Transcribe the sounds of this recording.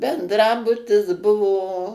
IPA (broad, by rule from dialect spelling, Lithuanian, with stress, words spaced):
bʲɛndˈrɑːbʊtʲɪs ˈbʊʋoː